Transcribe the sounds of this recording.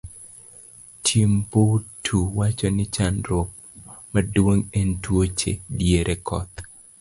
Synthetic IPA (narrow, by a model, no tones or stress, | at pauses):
tʰjimpotʰuwat͡ʃɔnɪt͡ʃanɾop̚ | madwoŋentwot͡ʃḛdjeɾʔekʰɔ̰t̪